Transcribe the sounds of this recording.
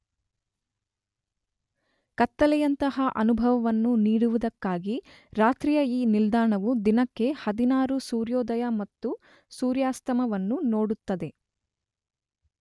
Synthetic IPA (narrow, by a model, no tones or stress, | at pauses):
kɐt̪ːɐlɛjɐnt̪ɐɦɐʔɐnubʱɐʋɐʋɐnːuniːɽuʋud̪ɐkːaːɡi | ɾaːt̪ɾijɐiːnild̪aːɳɐʋud̪inɐkːe̞hɐd̪inaːɾusuːɾjɔːd̪ɐjɐmɐt̪ːu | suːɾjaːst̪ɐmɐʋɐnːunoːɽut̪ːɐd̪e̞